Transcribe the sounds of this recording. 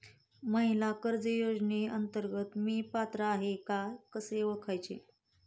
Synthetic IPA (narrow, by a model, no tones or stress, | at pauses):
məɦilakəɾd͡zəjod͡zneənt̪əɾɡət̪miːpat̪ɾəːɦekakəseʋəkʰajt͡ɕḛ